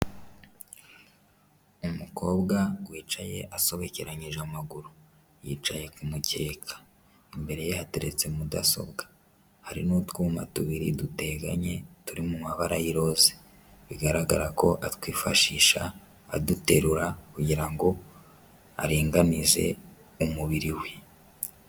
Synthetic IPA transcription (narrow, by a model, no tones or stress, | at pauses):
umuko̞ːbɡawiːt͡ʃaje̞ʔaso̞βeceɾaɲiʒamaɡuɾu | jiːt͡ʃaje̞kumutʰe̞ːkʰḁ | imbe̞ɾe̞jehateɾe̞t͡se̞mudaso̞̰bɡḁ | haɾinuːtkuːma̰tuβiɾḭdute̞ɡa̰ɲe̞tuɾimumaβaɾajiɾo̞ːze | βiɡaɾaɡaɾako̞ʔatwiːfaʃiːʃaː | dute̞ɾuɾakuɟiɾaŋɡo̞ | aɾiːŋɡanize̞̰ | umuβiɾiwe̞